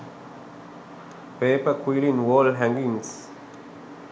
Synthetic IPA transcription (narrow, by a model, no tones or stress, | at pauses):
peːpəkʰwilĩnwɔlɦɛ̃ŋɡĩŋs